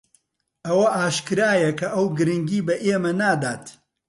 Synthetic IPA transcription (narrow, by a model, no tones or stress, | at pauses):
ʔɐwɐʔaːʃkɨɾaːjɐkʰɐʔɐwɡɨɾɨŋɡiːbɐʔeːmɐnaːd̪aːt̪